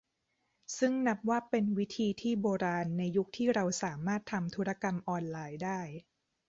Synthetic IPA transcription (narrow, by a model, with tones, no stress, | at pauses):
sɯ˥˩ŋna˦˥p̚waː˥˩pe˧nwi˦˥t̪ʰiː˧t̪ʰiː˥˩boː˧ɾaː˧nːa˧jːu˦˥k̚t̪ʰiː˥˩ɾa˧wsaː˩˦maː˥˩t̪ʰːa˧mt̪ʰu˦˥ɾa˧ka˧mʔɔː˧nlaː˧jdaː˥˩j